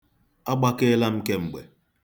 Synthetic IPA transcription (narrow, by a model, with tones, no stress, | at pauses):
a˦ɡ͡ba˦ke˦la˦m̩˦ke˦ŋ͡m̩˨ɡ͡be˨